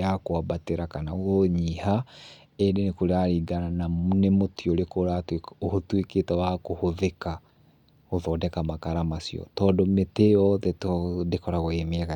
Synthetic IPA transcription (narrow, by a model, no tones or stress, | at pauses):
akwabateɾakanaɣɔɲiha | edenekoɾeaɾiːɡanananemotiɔɾekoɾateohotweketɛwakohoðeka | oðɔdɛkamakaɾamasiɔ̰tɔːdɔmetejɔðɛtdekɔɾaɣoemeɛɣa